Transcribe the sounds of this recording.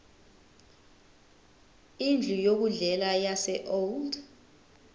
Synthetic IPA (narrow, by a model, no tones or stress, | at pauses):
ind͡ɮʱujok̬uɮɛlajasɛʔold